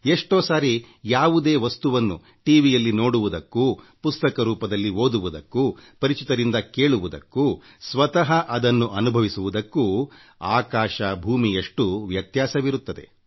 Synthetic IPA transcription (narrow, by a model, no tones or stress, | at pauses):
eʂʈoːsaːɾi | jaːʋud̪e̞ːʋɐst̪uʋɐnːṵ | ʈiːʋijɐlːino̞ːɽuʋud̪ɐkːuː | pust̪ɐkɐɾuːpɐd̪ɐlːiɦo̞ːd̪uʋud̪ɐkːupɐɾit͡ʃit̪ɐɾind̪ɐke̞ːɭuʋud̪ɐ̰kːu | sʋɐt̪ɐɦɐʔɐd̪ɐnːuʔɐnubʱɐʋisuʋud̪ɐkːu | aːkaːʃɐbʱuːmijeʂʈuʋjɐt̪jaːsɐʋiɾut̪ːɐd̪e̞̰